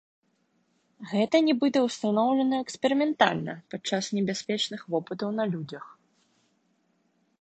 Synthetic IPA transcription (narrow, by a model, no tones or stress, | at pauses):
ɣɛt̪ɐnʲɛbɨt̪ɛwst̪anɔwlʲɛnɐɛksʲpʲɛɾɨmʲɛnt̪alʲnɐ̰pat͡ʂːasnʲɛbʲasʲpʲɛt͡ʂnɨxvɔpɨt̪ɐwn̪ɐlʲud͡zʲɐx